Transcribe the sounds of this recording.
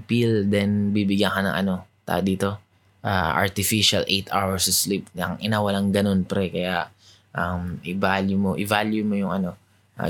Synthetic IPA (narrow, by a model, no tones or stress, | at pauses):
pild̪ɛnbibɪɡjɐŋkɐnɐ̰ŋʔɐ̰no̞t̪a̰ːʔd̪iːt̪o̞ | ʔa̰ːʔɐ̰ɹt̪ɪfiʃɐlʔɛjt̪ʰawɛɹsɐslip̚nɐ̰ŋʔɪnaːwɐlaŋɡɐno̞npɾɛkɐjaʔ | ʔɐmʔɪvaljʊmoʔɪvaljʊmojʊŋɐno̞ | ʔa̰